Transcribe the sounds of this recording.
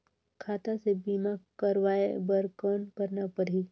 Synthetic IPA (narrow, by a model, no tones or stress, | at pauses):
kʰaːt̪asebiːmakəɾʋaːebəɾkaːnkəɾnapəɾɦi